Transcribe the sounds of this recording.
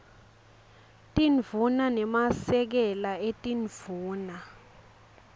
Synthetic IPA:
tʼinvunanɛmasɛk̬ɛlaetʼinv̥uːna

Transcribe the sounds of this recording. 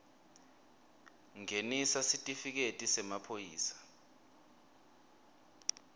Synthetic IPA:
ŋenisasitʼifik̬etʼisɛmapʰojiːsḁ

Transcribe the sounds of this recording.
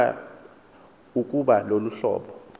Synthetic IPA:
uk̬ʼuɓaloluɬɔ̰ːɓɔ

